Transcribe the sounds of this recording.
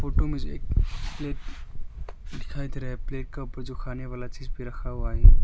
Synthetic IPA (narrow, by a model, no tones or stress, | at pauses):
foːʈomẽd͡ʒoḛːk̚pleːʈ | ɖɪkʰaːid̪iɾɦɛpleːʈ̚keuːpəɾd͡ʒokʰaːneʋaːlat͡ʃiːzbʱiɾɐkʰaɦuaɦɛː